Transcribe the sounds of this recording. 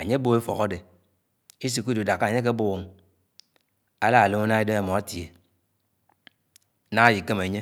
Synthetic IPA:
a˨ɲe˦bo˦e˦fɔ̰˨ko˦de˨ | i˦s̬i˨ku˦du˨da˨kːa˨ɲe˦k̬e˦bo˦wo˨ŋ | a˦la˦a˨lo˦ma˦na˦e˦do˦e˦˨mɔ˨a˦ti˨e˨˦ | na˦ŋa˦˨ji˨ke˦me˨ɲe˦

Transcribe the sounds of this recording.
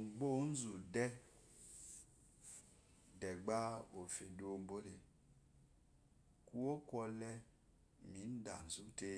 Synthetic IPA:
ŋ͡m̩˨ɡ͡bo˦n̩˦zu˨dɛ˦ | dɛ˨ɡ͡ba˦o˨fe˨do˨ŋ͡mbo˦ɾe˨ | ku˦o˦kʷɔ˧lɛ˦ | mi˨˦n̩˦da̰˨n̩˨zu˦te˦

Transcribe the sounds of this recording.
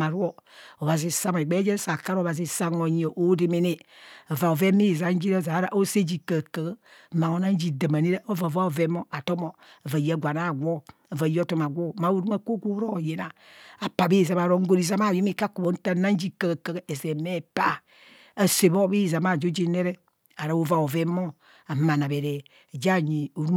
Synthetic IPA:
a˨ɾu˦o˦o˨βa˨zi˨sa˦m˨e˨ɡ͡be˦d͡ʒe˦sa˨ka˦ɾo˨βa˨zi˦sa˦ŋo˨ɲo˨ʔo˦de˦me˨ne˦a˨va˨o˨ve˦mi˦˨za˨˦n˦d͡ʒi˦ɾa˦˨za˨˦ɾa˨ʔo˦se˦d͡ʒi˨kə˨kə˨ɡma˨ŋo˨na˦n˦d͡ʒi˨də˨ma˨ne˦ɾe˦ʔo˦va˨va˦o˨ve˦mo˦a˨to˦mo˨ | a˨va˨ja˦˨ɡʷa˨na˦˨ɡʷo˦˨ | a˨va˨ji˦o˦to˦ma˨ɡʷo˦˨ma˨˦o˨ɾu˦ma˦ko˦ɡʷo˦ɾo˦˨je˨na˨a˨pa˨be˦˨za˨ma˨ɾo˦ŋ̩˦ɡo˨ɾi˨za˦ma˦˨jo˦me˨˦ka˦ko˨bo˨˦ta˦˨na˦n˦d͡ʒi˦kə˨ɡkə˨ɡe˨ze˨me˦˨pa˦ | a˨se˨bo˦be˦˨za˨ma˦˨d͡ʒo˦d͡ʒe˦ne˦ɾe˦ | a˨ɾa˨˦o˦˨va˨o˨ve˦mo˦ | a˨ma˨na˨be˨ɾe˨ | d͡ʒa˦˨ɲi˨o˨ɾu˦

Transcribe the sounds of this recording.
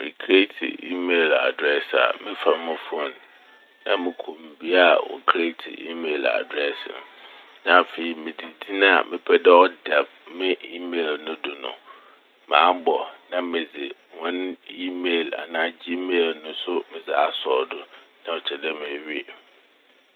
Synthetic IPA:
mɪ̰̃˨kʰɾe˦tʰḭ˨ḭ˦me˨la̰˨dɾɛ˦sa̰˨mɪ̃˦fa˨˦mʊ̃˦fʊ˦ɔ̃˨n | nã˦mɪ̃˨kʰõ˨m˨bi˦a˨wɔ̰˨kʰɾe˦tʰḭ˨ḭ˦me˨la̰˨dɾɛ˦sɪ̰˨n˨ | nã˦˨fe˨i˨mɪ̃˨di˨di˦nʊ̃˦a̰˨mʔɪ̃˦pʰɛ˦dɛ˦ɔ˦da˨ | mɪ̃˦ʔi˦me˨lnʊ̃˦dʊ˨nʊ̰̃˨ | mã̰ː˨˦bɔ˨nã˦mɪ̃˨d͡zɪ˨ŋɔ̃˦ni˦meː˨la̰˨nãː˨˦d͡ʑi˦meː˦˨lnʊ̃˦sʊ˦mɪ̃˨zɪ˨a˦sɔː˨dʊ˨nã˦ɔ˨t͡ɕʰɛ˨dɛ˦m̃˨æ˨ɥi˦˨

